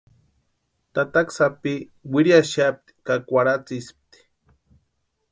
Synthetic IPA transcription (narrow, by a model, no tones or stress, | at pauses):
t̪at̪aksapiwiɾjaʃap̚t̪i̥kakʷaɾat͡sisp̚t̪i̥